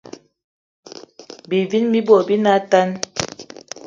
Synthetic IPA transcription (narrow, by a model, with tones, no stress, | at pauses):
bi˨vi˦nmi˦bɔ˨bi˦na˦ta˦n